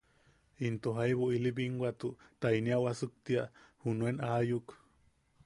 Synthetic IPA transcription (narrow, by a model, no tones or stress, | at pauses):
int̪oɦajβuilibiŋɡwat̪ut̪ajniawasɨk̚t̪iahunuenajuk